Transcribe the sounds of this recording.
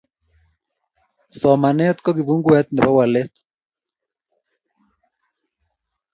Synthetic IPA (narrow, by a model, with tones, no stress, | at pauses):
sɔ˨ma˨nɛ˦t̪kɔ˦ki˨βu˦ŋɡu˦ɛ˦t̪̚nɛ˨ba˦wa˨le˦t̪